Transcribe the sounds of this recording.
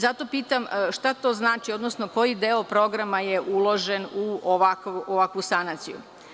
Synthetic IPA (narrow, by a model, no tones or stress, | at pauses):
zat̪o̞piːt̪amʃt̪at̪o̞ːznaːt͡ʃio̞d̪nosno̞ko̞jid̪eopɾo̞ɡɾamajeʔulˠo̞ʒe̞nuoʋakuʔoʋakʋust̪anat̪siju